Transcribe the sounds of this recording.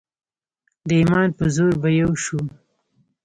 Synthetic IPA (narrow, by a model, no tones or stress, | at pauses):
d̪əimɑnpəzoɾbajawʃu